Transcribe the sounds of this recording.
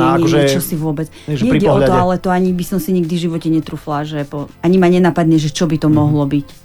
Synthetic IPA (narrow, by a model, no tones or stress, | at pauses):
ɛkɔʒɛt͡ʃɔsiʋʊɔbɛt͡s | ʒɲɛiɟɛɔt̪ɔalɛt̪ɔaɲibisɔmsiɲɛɡd̪ivʒiʋɔcɛɲɛt̪ɾuːflaʒɛpɔaɲimaɲɛnaːpad̪ɲɛʒɛt͡ʃɔbit̪ɔmɔɦlɔbic